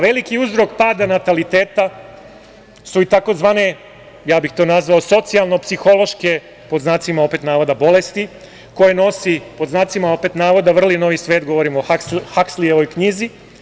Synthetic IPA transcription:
ʋe̞likiuzɾo̞kpaːd̪anat̪alit̪eːt̪a | suit̪ako̞zʋaːne̞ | jaːbixt̪o̞ːnazʋaoso̞t̪sialˠno̞psixo̞lo̞ʃke̞ | poznaːt̪simao̞pe̞t̪naːʋod̪abo̞le̞st̪i | ko̞jeno̞sipo̞d̪znaːt̪simaope̞t̪naːʋo̞d̪aʋr̩lino̞ʋisʋe̞ːt̪ɡo̞ʋo̞ɾimoahakslijeʋo̞jkɲizi

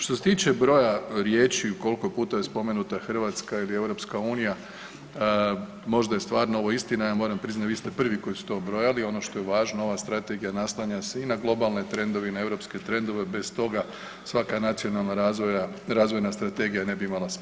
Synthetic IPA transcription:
ʃt̪ose̞t̪iːt͡ʃe̞bɾo̞jaɾjeːt͡ʃiuko̞liko̞puːt̪ajespo̞me̞nut̪axr̩ʋat̪skailie̞ʋɾo̞pskauːnija | mo̞ʒd̪ajest̪ʋaːɾnaoʋo̞ist̪inajaːmoːɾampɾiznat̪ʋiːst̪e̞pr̩ʋiko̞jisu̥t̪o̞ːbɾo̞jalio̞no̞ʃt̪o̞jeʋaːʒnoo̞ʋast̪ɾat̪e̞ɡijanaslˠaɲaseinaɡlˠo̞balˠnet̪ɾe̞nd̪o̞ʋinae̞wɾo̞pske̞t̪ɾe̞nd̪oʋe̞be̞st̪o̞ɡa | sʋakanat̪sio̞nalˠnaɾazʋojaɾaːzʋo̞jnast̪ɾat̪e̞ɡijane̞biimalˠas

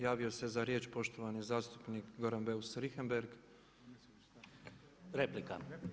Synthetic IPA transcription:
jaːʋio̞se̞zaɾje̞ːt͡ʃpo̞ʃt̪o̞ʋanizaːst̪u̥pnikɡo̞ɾanbe̞usɾixembe̞ɾɡ | ɾeplika̰

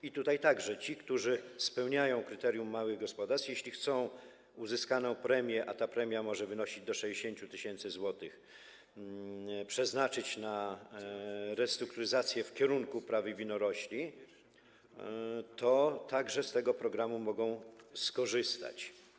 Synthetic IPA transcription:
it̪ut̪ajt̪aɡʐɛt͡ɕikt̪uʐɘspɛwɲajɔ̃w̃kɾɘt̪ɛɾʲjumːawɘɣɡɔspɔd̪aɾst̪jeɕlʲixt̪sɔ̃w̃ | uzɘskanɔ̃w̃pɾɛmʲjɛʔat̪apɾɛmʲjamɔʐɛvɘnɔɕid͡ʑd̪ɔʂɛd͡ʑeɕeɲt͡ɕut̪ɘɕɛnt̪sɘzwɔt̪ɘx | pʂɛznat͡ʂɘt͡ɕna | ɾɛst̪ɾuk̚t̪uɾɘzat̪sʲjɛfkʲɛɾuŋkupɾavɘvʲinɔɾɔɕlʲi | t̪ɔt̪aɡʐɛst̪ɛɡɔpɾɔɡɾamumɔɡɔ̃w̃skɔʐɘst̪a̰t͡ɕ

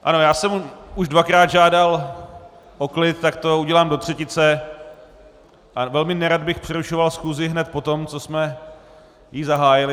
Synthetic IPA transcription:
ʔa̰no̞jaːsɛmuʒdvakɾaːd̪ʒaːdal | ʔoklɪt̪t̪akt̪o̞uɟɛlaːmdo̞t̪r̝̥ɛcɪt͡sɛ | ʔavɛlmɪnɛɾad̪̚bɪxpr̥ɛɾuʃo̞valsxuzɪɦnɛt̪̚po̞t̪o̞mt͡so̞smɛ | jizaɦaːjɪlɪ

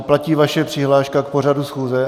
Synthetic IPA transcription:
placiːvaʃɛpr̥ɪɦlaːʃkakpo̞radusxuːzɛ

